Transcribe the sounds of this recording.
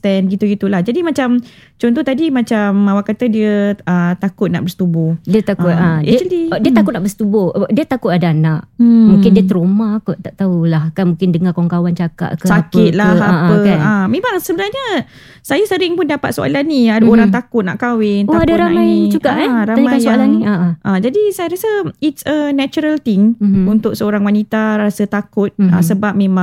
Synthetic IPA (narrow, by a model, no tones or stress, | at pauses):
t̪ɛnɡit̪uɡit̪ulahd͡ʒadimat͡ʃam | t͡ʃɔnt̪ut̪adimãt͡ʃamawakat̪ədiəət̪akʊt̪̚na̰ʔbəsə̥t̪ubʊhdiət̪akʊt̪aɛədidiət̪akʊt̪̚naʔbəsə̥t̪ubʊdiət̪akʊt̪adaanaʔmũŋkɪndiət̪əɾomakɔt̪aʔt̪aulahkanmũŋkɪndəŋakawŋkawant͡ʃaka̰ʔkəsakɪt̪̚laaaəaamẽmaŋsəbənarɲə | sajasəɾɪŋpʊndapat̪soa̰laniadoɾaŋt̪akʊt̪̚naʔkawɪntoadaɾamãjd͡ʒuɡaʔaɾaaɲmanjsoaalaniaʔʔad͡ʒadisajaɾasəitsənat͡ʃuɾəlt̪ɪŋunt̪ʊk̚səoɾaŋwanit̪aɾasət̪akʊt̪̚a̰səbap̚mẽmã